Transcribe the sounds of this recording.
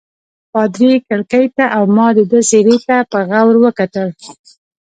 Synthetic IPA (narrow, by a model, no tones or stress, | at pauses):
pɑd̪ɾikəɽkajt̪aʔawmɑd̪əd̪əseɾet̪apəɣawɾwəkat̪əl